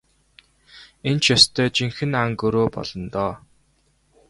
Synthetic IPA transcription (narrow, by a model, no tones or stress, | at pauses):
ent͡ɕʰjɔst̪ʰœːt͡ɕiŋxɘ̆naŋkɵɾoːpɔ̰ɮ̥ɞ̆nt̪ɔː